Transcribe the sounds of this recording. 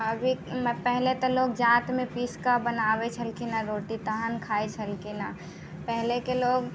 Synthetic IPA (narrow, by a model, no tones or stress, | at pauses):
əbʱimpɛɦlet̪ɔloːɡd͡ʒãːt̪mẽpiskabənaːbet͡ʃʰəlkenaɾoːʈit̪aɦənkʰaːet͡ʃʰəlkena | pɛɦlekeloːɡ